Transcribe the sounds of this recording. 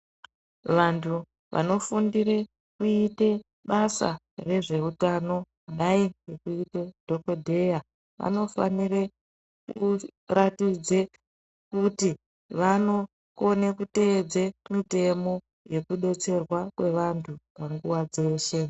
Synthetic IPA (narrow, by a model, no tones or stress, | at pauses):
ʋantʰu | ʋʔa̰no̞fundire̞ | kuite | ɓasa̰ | re̞ʐe̞utano̞ | ɗaiɡekuited̥ʱo̞ko̞dʱe̞ja | ʋʔa̰no̞fa̰nire | kuratid͡ze | kuti | ʋano̞ | konekute̞d͡zemite̞mo̞ | je̞kuɗe̞t͡se̞rwakwe̞ʋantʰupaŋɡuwad͡ze̞ːʃe̞